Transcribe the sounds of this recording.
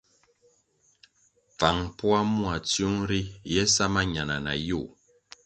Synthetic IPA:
p͡fa˨ŋpwa˦mu˦a˨t͡sju˦ŋɾi˦jɛ˦sa˦ma˦ɲa˨na˨na̰˨ju˦˨

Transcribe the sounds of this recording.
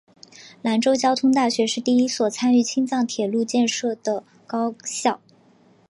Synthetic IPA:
la˧˥nʈ͡ʂo˥ʊt͡ɕjɑ˥ʊt̪ʰʊ˥ŋt̪a˥˩ɕɥɛ˧˥ʂɻ̩˥˧t̪i˥˩i˥swɔ˨˩t͡sʰa˥ny˥˩t͡ɕʰi˥ŋt͡sɑ˥˩ŋt̪ʰjɛ˨˩lu˥˧t͡ɕjɛ˥˧nʂɤ˥˩d̪̥ə˩ | kɑ˥ʊɕjɑ˥˩ʊ

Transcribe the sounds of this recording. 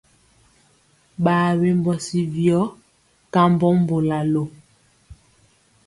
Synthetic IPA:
ɓaː˨we˨m˦bɔ˨si˦vjɔ˦ | ka˦m˦bɔ˦m˦bo˨la˨lo˨

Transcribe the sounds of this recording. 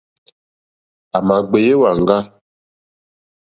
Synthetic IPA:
a˨ma˨ɡ͡be˨je˦wa˨ŋ˨ɡa˦

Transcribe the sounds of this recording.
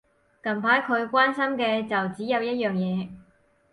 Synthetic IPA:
kɐ˨˩mpʰaː˨˥jkʰɵ˨˧ɥkʷwaː˥nsɐ˥mkɛː˧t͡sɐ˨wt͡siː˨˥jɐ˨˧wjɐ˥t̚jœː˨ŋjɛː˨˧

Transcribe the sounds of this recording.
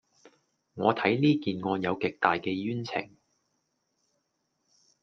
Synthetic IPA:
ŋɔː˨˧t̪ʰɐ˨˥jliː˥kiː˨nŋɔː˨˧jɐ˨˧wkɪ˨k̚t̪aː˨jkɛː˧jyː˥nt͡sʰɪ̰˨˩ŋ

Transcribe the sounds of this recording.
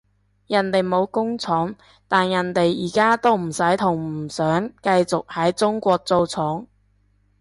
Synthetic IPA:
jɐ˨˩nt̪e˨jmo˨˧wkʊ˥ŋt͡sʰɔː˨˥ŋ | t̪aː˨njɐ˨˩nt̪e˨jiː˨˩kaː˥t̪o˥wm̩˨˩sɐ˨˥jt̪ʰʊ˨˩ŋm̩˨˩sœː˨˥ŋkɐ˧jt͡sʊ˨k̚hɐ˨˥jt͡sʊ˥ŋkʷɔː˧k̚t͡so˧wt͡sʰɔː˨˥ŋ

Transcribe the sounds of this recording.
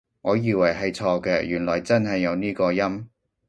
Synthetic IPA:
ŋɔː˨˧jiː˨wɐ˨˩jɦɐ˨jt͡sʰɔː˧kɛː˧jyː˨˩nlɔː˨˩jt͡sɐ˥nɦɐ˨jːɐ˨˧wniː˥kɔː˧jɐ˥m

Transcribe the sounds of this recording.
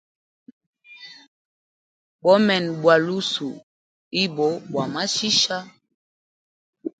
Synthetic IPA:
bɔ˦mɛ˨nbwa˨lu˦su˨ | i˦bɔ˨˦bwa˨ma˦ʃi˦ʃa˦

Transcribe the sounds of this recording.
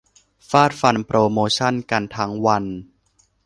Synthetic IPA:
faː˥˩t̪̚fa˧npɾoː˧moː˧t͡ɕʰa˥˩nka˧nt̪ʰaː˦˥ŋwa˧n

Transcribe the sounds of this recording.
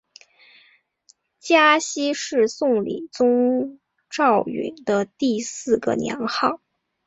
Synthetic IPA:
t͡ɕja˥ɕi˥ʂɻ̩˥˧sʊ˥˩ŋlḭ˨˩t͡sʊ˥ŋ | ʈ͡ʂɑ˥˩ʊḭ˧˨˩nd̪ə˧t̪i˥˧sɹ̩˥˩ɡə̰˩njɑ̰˧˥ŋxɑ˥˩ʊ

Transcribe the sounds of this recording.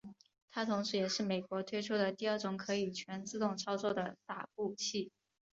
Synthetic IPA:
t̪ʰa˥t̪ʰʊ˧˥ŋʂɻ̩˧˥jɛ˨˩ʂɻ̩˥˩me˨˩ɪkwɔ˧˥t̪ʰwe˥ɪʈ͡ʂʰu˥d̪ə˨t̪i˥˧ə˥˩ʈ͡ʂʊ˧˥ŋkʰɤ˧˥i˨˩t͡ɕʰɥɛ˧˥nt͡sɹ̩˥˧t̪ʊ˥˩ŋʈ͡ʂʰɑ˥ʊt͡swɔ˥˩d̪ə˩t̪a̰˨˩p̚u˥˧t͡ɕʰi˥˩

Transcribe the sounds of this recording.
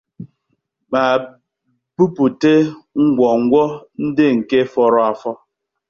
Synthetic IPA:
ɓa˨ | pu˦pu˨te˦ŋ̩˦ɡʷɔ˨ŋ̩˦ɡʷɔ˦n̩˦dɪ˦ŋ̩˨ke˦fɔ˦ɾɔ˦a˨fɔ˦

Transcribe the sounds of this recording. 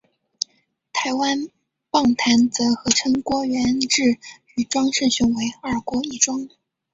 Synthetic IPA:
t̪ʰa˧˥ɪwa˥n | pɑ˥˩ŋt̪ʰa˧˥nt͡sɤ˧˥xɤ˧˥ʈ͡ʂʰɤ˥ŋkwɔ˥ɥɛ˧˥nʈ͡ʂɻ̩˥˩ | y˧˩ʈ͡ʂwɑ˥ŋʂ̩˥˩ɕʊ˧˥ŋwe˧˥ɪa˞˥˩kwɔ˧˥i˥˩ʈ͡ʂwɑ˥ŋ

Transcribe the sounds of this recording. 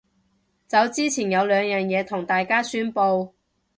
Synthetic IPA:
t͡sɐ˨˧˥wt͡siː˥t͡sʰiː˨˩njɐ˨˧wlœː˨˧ŋjœː˨˩njɛː˨˧t̪ʰʊ˨˩ŋt̪aː˨jkaː˥syː˥npo˧w

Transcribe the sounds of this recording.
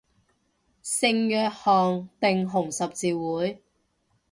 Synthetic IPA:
sɪ˧ŋjœː˨˧k̚hɔː˨ŋt̪ɪ˨ŋɦʊ˨˩ŋsɐ˨p̚t͡siː˨˧wuː˨˥j

